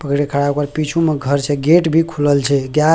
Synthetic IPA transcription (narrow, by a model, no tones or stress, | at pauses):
pəkɾekʰəɽaukəɾpit͡ʃʰumeɡʱəɾt͡ʃʰɛɡeʈbʱikʰuləlt͡ʃʰɛɡja